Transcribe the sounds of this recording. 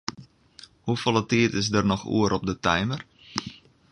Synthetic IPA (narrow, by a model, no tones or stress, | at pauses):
hufolˠətiətɪsdərnɔxṵəɾʔɔp̚dətɛjmər